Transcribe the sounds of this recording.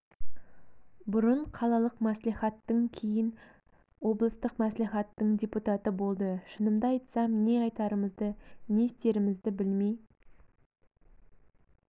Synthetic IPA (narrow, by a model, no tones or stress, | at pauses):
bʊɾəɴqʰɑlˠɑlˠəqmæsliχɑt̪ːəŋkʲʰejɪn | wo̞blˠəst̪əqmæsliχɑt̪ːəɴdʲeput̪ɑt̪əbo̞lˠd̪əʃənəmd̪ɑɑjt̪sɑmne̞ɑjt̪ɑɾəməzd̪əne̞st̪e̞ɾɪmɪzd̪ɪbɪlmej